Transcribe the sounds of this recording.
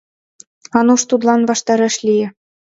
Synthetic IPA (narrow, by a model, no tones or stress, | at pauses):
ɑnuʂt̪ud̪lˠɑnβɑʃt̪ɑɾɑ̆ʃlʲijɘ̆